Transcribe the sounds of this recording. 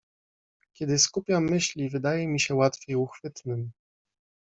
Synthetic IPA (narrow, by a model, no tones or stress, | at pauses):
kʲɛd̪ɘskupʲjamːɘɕlʲivɘd̪ajɛmʲiɕɛwat̪fʲjejuxfɘt̪nɘm